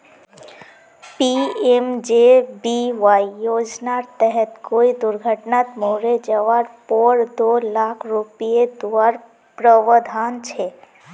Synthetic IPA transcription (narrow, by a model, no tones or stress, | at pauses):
piemd͡ʒebiʋaijod͡ʒnaɾt̪ɛɦɛt̪koid̪ʊɾɡʱəʈnat̪moɾed͡ʒəʋaɾpɔɾd̪olakʰɾupijed̪uaɾ | pɾəʋəd̪ʱant͡ʃʰe